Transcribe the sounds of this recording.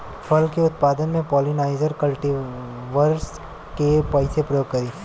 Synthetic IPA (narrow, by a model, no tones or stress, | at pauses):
fʰɐlkeʊt̪̚paːd̪ənmẽpɔːlinaːɪzəɾkɐlʈi | ʋəɾs | kepɐɪsepɾɐjoːɡ̚kɐɾiː